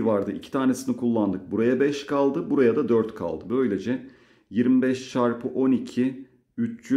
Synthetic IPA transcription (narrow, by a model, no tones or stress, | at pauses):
vaɾd̪ɯʔḭcʰit̪ʰaːne̞sinikʰulˠːand̪ɯk̚buɾajabɛʃkʰalˠd̪ɯbuɾajad̪ad̪øɾt̪kʰa̰lˠd̪ɯbø̞jlʲe̞d͡ʒɛ | jiɾmibɛʃʃaɾpʰɯʔo̞nicʰi | yt͡ʃt͡ʃy